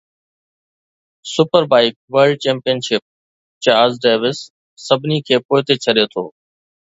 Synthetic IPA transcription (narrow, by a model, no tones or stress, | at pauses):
sʊpəɾbaːɪk̚ʋəɾɖ̚t͡ɕẽːmpijənʃɪp̚ | t͡ɕaːzɖeːʋɪsː | əbʱniːkʰeːpoːɦt̪eːt͡ʃʰəɗjoːt̪ʰo̰ː